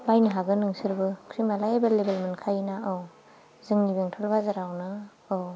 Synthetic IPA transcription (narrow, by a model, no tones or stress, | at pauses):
bajnɯɦaɡɯnɯŋsɯɾbɯkʰɾimalajebelːebelmɯnkʰajinaɯw | zɯŋnibeŋtʰɔlbazaɾawnɯː | w